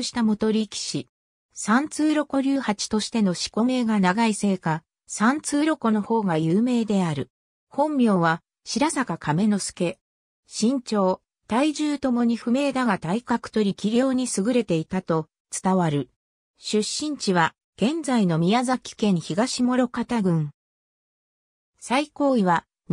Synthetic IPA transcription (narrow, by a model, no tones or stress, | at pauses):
ɯɕi̥t̪amo̞t̪o̞ɾʲikʲi̥ɕi | sãnt͡sɨːɾo̞ko̞ɾʲɨːhat͡ɕi̥t̪o̞ɕi̥t̪e̞no̞ɕi̥ko̞me̞ːɡanaɡaise̞ːka | sãnt͡sɨːɾo̞ko̞no̞ho̞ːɡajɯːme̞ːd̪e̞aɾɯ̟ | hõ̞mːʲjo̞ːβa | ɕiɾasakakʰame̞no̞sɨ̥ke̞ | ɕĩɲ̟t͡ɕo̞ː | t̪aiʑɨːt̪o̞mo̞ɲ̟iɸɯ̟me̞ːd̪aɡat̪aikakɯ̥t̪o̞ɾʲikʲiɾʲo̞ːɲ̟isɨɡɯ̟ɾe̞t̪e̞it̪at̪o̞ | t͡sɨ̥t̪aβaɾɯ̟ | ɕɨɕːĩɲ̟t͡ɕiβa | ɡ̥ẽ̞nd͡zaino̞mʲijazakʲi̥kẽ̞ɰ̃çiɡaɕimo̞ɾo̞kat̪aɡɯ̟̃ŋ | saiko̞ːiβa